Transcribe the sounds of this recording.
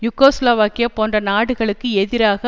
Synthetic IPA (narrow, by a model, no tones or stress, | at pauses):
jʊkoːsloːʋaːkɪjɐpoːndrɐnaːɽɯɣɐɭɯkːɯɛðɪɾaːɣɐ